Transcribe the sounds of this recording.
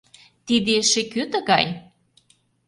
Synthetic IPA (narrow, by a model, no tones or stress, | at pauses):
t̪id̪eʃekøt̪ə̆ɣɑj